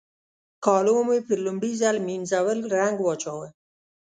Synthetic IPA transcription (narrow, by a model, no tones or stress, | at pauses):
kɑːlomepəɾlʊmɖizalminzawəlɾaŋɡwɑt͡ʃɑwa